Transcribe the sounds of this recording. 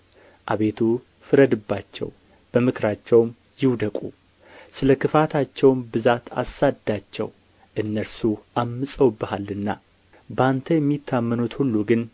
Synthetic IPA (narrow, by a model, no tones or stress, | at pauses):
ʔaβe̞t̪ʰu | fɨɾəd̪ɨbːat͡ʃːɛ̰w | b̥əmɨkʰɾat͡ʃːɛwm | jɪwd̪əkʼṵ | sɨləkɨfat̪ʰat͡ʃːɛwnbɨzat̪ʰa̰sad̪at͡ʃːɛ̰w | ʔɨnːəɾsuʔamːɨsʼəwbɨhalːɨnːa | bəant̪ʰəjɛmːit̪ʰːamːənut̪hulːuɡɨn